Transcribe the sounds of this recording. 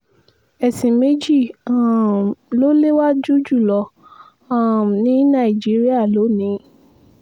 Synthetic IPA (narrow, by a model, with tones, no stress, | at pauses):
ɛ˨sĩ˨me˦d͡ʒi˦˨ã˨lo˦le˦wa˦d͡ʒu˦d͡ʒu˦˨lɔ˧ | ã˨nĩ˨˦nã˦˨i˨d͡ʒi˨˦ɾi˦a˦˨lo˨˦nĩ˨˦